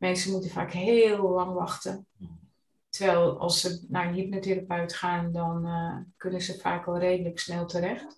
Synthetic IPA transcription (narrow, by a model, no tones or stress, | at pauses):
mɛnsəmutəfa̰ːkhɪːlˠlɑŋʋɑxtə | təʋɛlˠɔ̰lˠsənajipnəteɾapœɥtxaːndɔnkønənzəfaːkɔlˠreːdələksnɛlˠtəɾɛxt